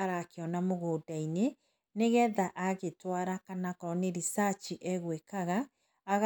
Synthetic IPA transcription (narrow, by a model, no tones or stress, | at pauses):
ɾakeɔnamoɣoːdaine | neɣɛðaʔaɣetwaɾakanakɔɾɔneɾisat͡ʃiʔɛɣwekaɣaː | ɣ